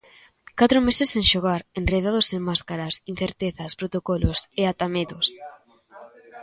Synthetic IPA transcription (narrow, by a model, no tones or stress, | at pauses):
kat̪ɾʊmesesːeŋʃoɣaɾenreð̞að̞oseŋmaskaɾɐsinθeɾt̪eθɐspɾot̪okɔlʊseat̪ameðʊs